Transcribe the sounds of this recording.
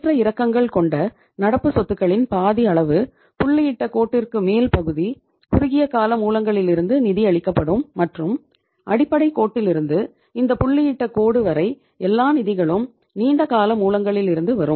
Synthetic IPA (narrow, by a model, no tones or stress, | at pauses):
trɐɪɾɐkːɐŋɡɐɭkɔɳɖɐ | nɐɽɐpːɯsɔt̪ːɯkːɐɭɪnpaːðiɐɭɐʋɯ | pʊɭːɪjɪʈːɐkoːʈːɪrkɯmeːlpɐɣɯði | pʊɾʊɣɪjɐkaːlɐmuːlɐŋɡɐɭɪlɪɾɯnd̪ɯnɪðiɐɭɪkːɐpːɐɽɯmːɐʈrɯm | ʔɐɽɪpːɐɽɐɪkːoːʈːɪlɪɾɯnd̪ɯ | ɪnd̪ɐpʊɭːɪjɪʈːɐkoːɽɯʋɐɾɐɪ | ɛlːaːnɪðɪɣɐɭɯm | niːɳɖɐkaːlɐmuːlɐŋɡɐɭɪlɪɾɯnd̪ɯʋɐɾɯm